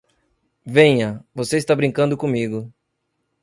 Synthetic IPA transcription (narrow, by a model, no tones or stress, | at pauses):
vẽɲɐvoseist̪abɾĩŋkɐ̃nd̪ʊkõmiɡʊ